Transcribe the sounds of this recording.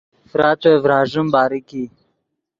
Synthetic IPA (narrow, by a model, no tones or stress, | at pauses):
fɾaːt̪wevɾaːʒumbaːɾiki